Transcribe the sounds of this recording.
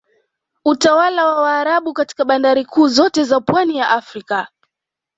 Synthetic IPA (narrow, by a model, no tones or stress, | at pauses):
utawalawawaːɾaɓukati̥kaɓandaɾikuːzɔtɛzapwanijaʔafɾika